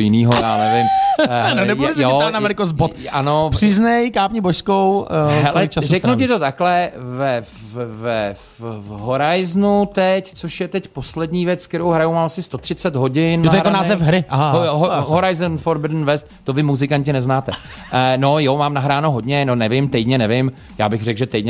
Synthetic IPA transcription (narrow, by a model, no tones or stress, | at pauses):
ojɪniːɦojjaːnɛvɪmnobɛsjoɛanamɛlɪkozbot̪anopr̥ɪznɛjkaːpɲiboʃskowɦɛllɛt͡ʃasrɛknocɪt̪o̞t̪aklɛvɛfvɛ | ɦoɾajznut̪ɛct͡soʃjɛt̪ɛcposlɛdɲiːvjɛt͡skt̪ɛɾowɦɾajumaːmasɪst̪o̞t̪r̥ɪt͡sɛd̪ɦo̞ɟɪnnaojaɾaonaːzɛfɦɾɪaɦaoɦɦoɾajznfoɾbɪd̪nvɛst̪t̪ovɪmuzɪkaɲcɪnɛznaːt̪ɛno̞jomaːmnaɦɾaːnoɦo̞dɲɛnonɛvɪmt̪ɛjdɲɛnɛvɪm | ja̰ːbɪxrɛɡʒɛt̪ɛjdɲɛ